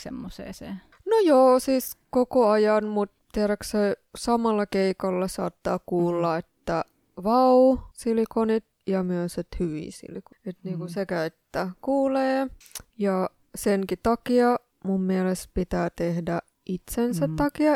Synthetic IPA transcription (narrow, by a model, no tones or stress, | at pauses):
semːosḛːsḛː | nojoːsiːskokoɑjɑnmut̪t̪iæɾækssesɑmɑlːɑkeikɑlːɑsɑ̰ːt̪ːɑːkuːlːɑet̪ːæ | ʋɑusilikonit̪jɑmyøset̪hyʋḭːsḭlikoet̪niːŋkusekæet̪ːækuːleːjɑ | seŋkit̪ɑkiɑ | mumːiælespit̪æːt̪ehdæ | ʔit̪sensæt̪t̪ːɑkiɑ